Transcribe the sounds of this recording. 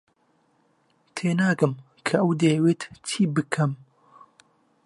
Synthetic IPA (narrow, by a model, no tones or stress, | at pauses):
t̪ʰeːnaːkɨm | kʰɐʔɐwd̪eːweːt̪t̪ʰiːbɨkʰɐm